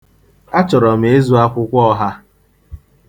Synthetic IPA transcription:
a˦t͡ʃɔ˨ɾɔ˨m̩˨e˦zu˦a˦kʷʊ˦kʷɔ˦ɦa˦

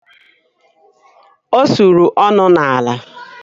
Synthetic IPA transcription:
o˦su˨ɾu˨ʔɔ˦nʊ˦na˨a˨la˨

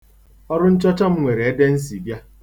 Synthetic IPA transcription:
ɔ˦ɾʊ˦n̩˦t͡ʃɔ˦t͡ʃɔ˦m̩˦ŋʷe˨ɾe˨e˦de˦n̩˦s̬i˨bja˦

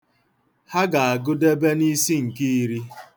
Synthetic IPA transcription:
ha˦ɡa˨a˨ɡʊ˦de˦be˦ni˦si˦ŋ̩˨ki˦i˦ɾi˦

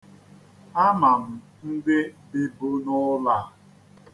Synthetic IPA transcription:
a˦ma˨m̩˨ | n̩˦dɪ˦bɪ˦bo˦nʊ˦la˦˨

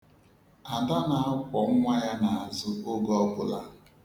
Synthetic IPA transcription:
a˨da˦na˨a˦kʷɔ˨ŋ̩˦ŋʷa˦ja˦na˨a˨zʊ˦o˦ɡɔ˦ɡʊ˨la̰˦

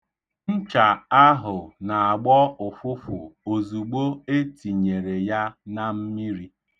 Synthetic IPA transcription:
n̩˦t͡ʃa˨a˦ɦʊ˨na˨a˨ɡ͡bɔ˦ʊ˨fʊ˦fʊ̰˨o˨zu˨ɡ͡bo˦e˦ti˨ɲe˨ɾe˨ja˦na˦m̩˦mi˦ɾi˦

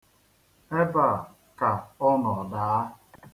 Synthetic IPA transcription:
e˦ba˦˨ | ka˨ɔ˦nɔ˨ɔ˨da˨a˦

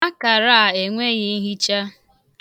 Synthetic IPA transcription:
a˦ka˨ɾa˦a˨e˨ŋʷe˦ɣe˦ɦi˦t͡ʃa˦

